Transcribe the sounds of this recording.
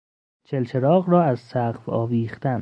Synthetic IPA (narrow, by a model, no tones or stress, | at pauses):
t͡ʃʰe̞lt͡ʃʰeɾɒːɣrɒːæzsæɢfɒ̰ːviːχt̪æn